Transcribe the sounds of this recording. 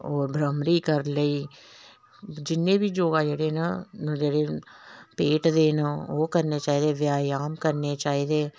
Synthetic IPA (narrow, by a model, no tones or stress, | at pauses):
ɔːɾbʱɾəmɾiːkəɾləiː | d͡ʒɪnːẽːbʱiːd͡ʒoːɡaːd͡ʒeːɽenəd͡ʒeːɽeːpeːʈd̪eːnəoːkəɾnet͡ʃaːiːd̪eːʋjaːjaːmkəɾnet͡ʃaːiːd̪eː